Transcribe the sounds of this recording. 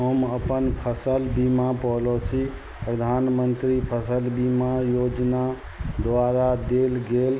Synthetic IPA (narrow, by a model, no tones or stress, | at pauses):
ɦəməpənpʰəsəlbimapɔɦlot͡ʃʰi | pɾəd̪ʱanmənt̪ɾipʰəsəlbimajod͡ʒna | d̪ʋaɾad̪elɡel